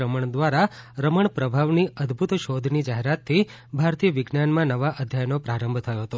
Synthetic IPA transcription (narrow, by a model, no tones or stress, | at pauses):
ɾəməɳd̪ʋaɾaɾəməɳpɾəbʱaʋniəd̪ʱbʱut̪ʃod̪ʱnid͡ʒaɦeɾat̪ʰːi | bʱaɾt̪ijəʋɪɡnanmãnəʋaʔəd̪ʱjajnopɾaɾə̃mbʱt̪ʰəjoɦət̪o